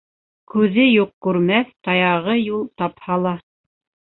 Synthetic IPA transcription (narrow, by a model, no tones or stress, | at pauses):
kʉðɘjuq̚kʉɾmæθt̪ɑjɑʁɤjulˠt̪ɑphɑlˠɑ